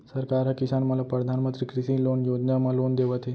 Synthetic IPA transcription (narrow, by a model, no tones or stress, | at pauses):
səɾkaɾɦakisanməlapɾəd̪ʱanmənt̪ɾikɾisiːlonjod͡ʑnamalond̪eʋat̪ʰe